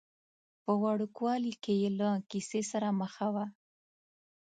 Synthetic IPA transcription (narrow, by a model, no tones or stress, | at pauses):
pəwaɽukwɑlikejelakisesaɾaməxawa